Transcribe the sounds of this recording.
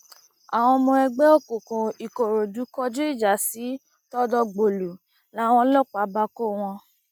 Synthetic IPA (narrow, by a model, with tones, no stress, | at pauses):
a˨w̃ɔ̃˧mɔ̃˧ɛ˧ɡ͡bɛ˦o˦ko˨kõ˨i˨ko˨ɾo˨du˨˦kɔ˦d͡ʒe˦i˦˨d͡ʒa˨˦si˨˦ | tɔ˦dɔ˧ɡ͡bo˨lu˨ | la˨˦w̃ɔ̃˧˦lɔ˦˨k͡pa˨˦ba˧ko˦˨w̃ɔ̃˧